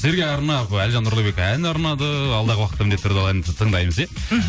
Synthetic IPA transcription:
ze̞ɾɡʲeɑɾnɑpælʒɑnːʊɾlˠubekænɑɾnɑd̪əɑlˠd̪ɑʁəwɑqət̪ːɑmɪnd̪et̪ːʰɾd̪ɑlˠɑt̪ʰəɴd̪ɑjməze

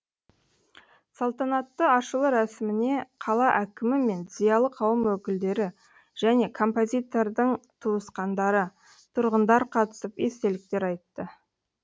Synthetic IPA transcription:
sɑlˠt̪ɑnɑt̪ːəɑʃəlˠəɾæsɪmɪne̞qʰɑlˠɑʔækʲɪmɪme̞nzijɑlˠəqʰɑwəmwɵkʲɪld̪e̞ɾɪ | ʒ̥æne̞kʰo̞mpo̞zʲijt̪o̞ɾd̪əɴt̪ʰuəsqɑnd̪ɑɾə | t̪ʰʊɾʁənd̪ɑɾqʰɑt̪ə̥səpe̞st̪e̞lɪk̚t̪e̞ɾɑjt̪ːə

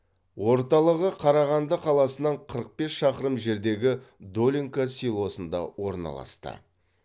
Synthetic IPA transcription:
wo̞ɾt̪ɑlˠəʁəqʰɑɾɑʁɑnd̪əqʰɑlˠɑsənɑɴqʰəɾəq̚pe̞sʃɑqəɾəmʒe̞ɾd̪e̞ɡʲɪd̪o̞lʲiŋkasilˠo̞sənd̪ɑ̰wo̞ɾnɑ̰lˠɑ̰st̪ə̰

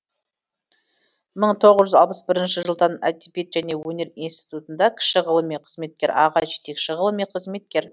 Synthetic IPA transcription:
məɴt̪ʰo̞ʁəzʒʏzɑlˠpə̥sbɪɾɪnʃɪʒəlˠt̪ɑnɑ̰t̪ːipet̪ʒæne̞wɵne̞ɾinst̪i̥t̪ut̪ənd̪ɑkʲʰɪ̥ʃɪʁəlˠəmeqʰəzme̞t̪̚kʲe̞ɾɑ̰ʁɑʒet̪e̞kʃɪʁəlˠəmeqʰəzme̞t̪̚kʲe̞ɾ

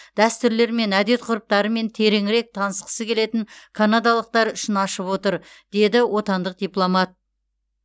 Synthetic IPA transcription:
d̪̥æst̪ʏɾle̞ɾme̞næd̪e̞t̪̚qʰʊɾəp̚t̪ɑɾəme̞nt̪ʰe̞ɾe̞ŋɪɾe̞k̚t̪ʰɑnəsqə̥səkʲʰe̞le̞t̪ɪŋkʰanad̪ɑlˠəq̚t̪ɑɾʏʃɪnɑʃəpwo̞t̪əɾ | d̪̥e̞d̪ɪwo̞t̪ɑnd̪əq̚d̪̥ijplˠo̞mɑt̪̚

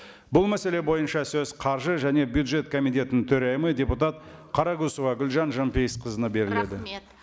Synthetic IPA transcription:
bʊlˠmæse̞le̞bo̞jənʃɑsɵzqʰɑɾʒəʒæne̞bjud̪ʒe̞t̪kʰo̞mijt̪e̞t̪ɪnɪŋt̪ʰɵɾɑjɪməd̪ʲe̞put̪ɑt̪qʰɑɾɑɡusuvɑɡʲʏlʒɑnʒɑmpejəsqʰəzənəbe̞ɾɪle̞d̪ɪ

